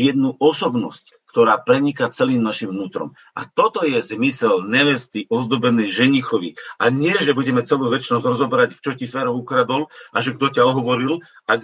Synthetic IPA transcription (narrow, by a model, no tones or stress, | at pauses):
jɛd̪nuʔɔsɔbnɔ̰sc | kt̪ɔɾaːpɾɛɲikat͡sɛliːmnaʃimnuːt̪ɾɔ̰m | ʔa̰t̪ɔt̪ɔjɛzmisɛlɲɛʋɛst̪iʔɔzd̪ɔbɛnɛjʒɛɲixɔʋiʔaɲɪɛʒɛbuɟɛmɛt͡sɛluːʋɛt͡ʃnɔzɾɔzɔbɛɾact͡ʃɔcifɛːɾɔukɾad̪ɔlʔaʒɛɡ̚d̪ɔcaɔɦɔʋɔɾil | a